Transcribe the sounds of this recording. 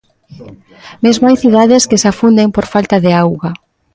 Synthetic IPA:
mezmoajθiðaðeskesafund̪empoɾfalt̪aðeawɣa

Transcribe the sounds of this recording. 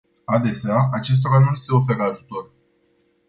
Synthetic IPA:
ad̪e̞seaʔat͡ʃe̞s̬t̪o̞ɾanulise̞o̞fe̞ɾəaʒut̪o̞r

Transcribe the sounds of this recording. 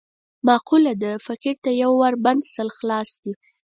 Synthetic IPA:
mɑqulad̪əfakiɾt̪ajawːaɾband̪səlxlɑsd̪i

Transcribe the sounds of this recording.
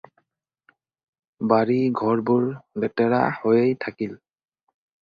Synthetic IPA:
baɹiɡʱɔɹbuɹlɛtɛɹa̰hojejtʰakil

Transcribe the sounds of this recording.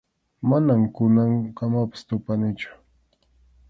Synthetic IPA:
manamkʊnaŋkamapɪ̥st̪ʊpanɪt͡ʃʊ̥

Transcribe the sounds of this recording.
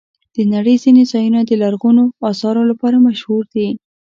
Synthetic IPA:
d̪̥ənaɽəjzinezɑjunad̪əlaɾɣunoɑsɑɾolapɑɾamaʃhuɾd̪i

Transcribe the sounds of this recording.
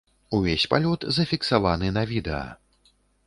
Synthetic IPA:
uvʲesʲpalʲɔt̪zɐfʲiksavanɨnɐvʲid̪ɛɐ̰

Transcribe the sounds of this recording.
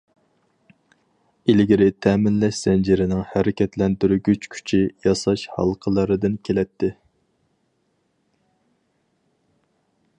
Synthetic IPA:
ilɡʲiɾɪt̪ʰɛːmɪnlɛʃsɛnd͡ʒɪɾɪnɪŋhæɾɪkʲʰɛt̪lɛnt̪yɾyɡʲyt͡ʃkʲʰy̥t͡ʃʰijɑsɑʃhɑ̰lˠqʰəlˠɑɾɨd̪ɨnkʲʰelɛt̪ʰːɪ

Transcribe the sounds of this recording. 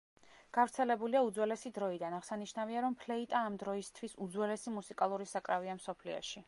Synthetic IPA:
ɡ̥avɾt̪sʰɛlɛbuliaud̪zwɛlɛsid̪ɾɔid̪anaʁsaniʃnaviaɾɔmpʰlɛit̪ʼaːmd̪ɾɔist̪ʰwisud̪zwɛlɛsimusikʼalˠuɾisakʼɾaviamsɔpʰlḭɔ̰ʃi

